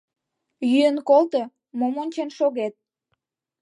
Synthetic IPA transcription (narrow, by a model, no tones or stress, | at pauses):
jyənkolt̪o | momonʲt͡ɕenʃoɣet̪̚